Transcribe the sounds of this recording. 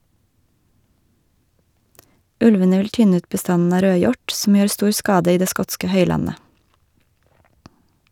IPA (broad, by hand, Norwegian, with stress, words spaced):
ˈʉlʋənə ˈʋɪl ˈtʏnə ˈʉːt bəˈstɑnn̩ ˈɑː ˈɾøːˌjɔʈ sm̩ ˈjøːɾ ˈstuːɾ ˈskɑːdə ˈiː ˈdeː ˈskɔtskə ˈhœʏlɑnə